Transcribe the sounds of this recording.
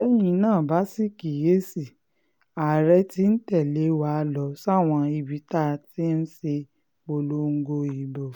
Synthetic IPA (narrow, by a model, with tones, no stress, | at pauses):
ɛ˦j̃ĩ˧˦nãː˦˨ba˨˦si˦ki˨je˦si˦˨ | a˨ɾɛ˦ti˦n̩˦tɛ˦˨le˨˦wa˨˦˧lɔ˨˦sw̃ɔ̃˧i˧bi˨˦ta˦˨ti˦n̩˦se˧ | o˧lo˦ŋ̩˧ɡo˧i˨bo˨